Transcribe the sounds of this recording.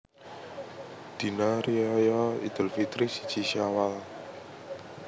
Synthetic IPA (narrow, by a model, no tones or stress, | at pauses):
d̪̥i̤naɾiɔjɔḭd̪̥ə̤lfit̪ɾisi̥d̥t͡ʃiʃawal